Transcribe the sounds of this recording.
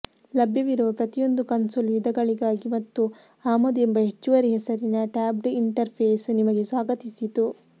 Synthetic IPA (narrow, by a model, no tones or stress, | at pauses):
lɐbʱjɐʋiɾuʋɐpɾɐt̪ijo̞nd̪ukɐnsoːlʋid̪ʱɐɡɐɭiɡaːɡimɐt̪ːu | aːmod̪embɐɦet͡ʃːuʋɐɾiɦɛsɐɾinɐʈaːbɾiɳʈɐɾpʰeːsnimɐɡesʋaːɡɐt̪isit̪u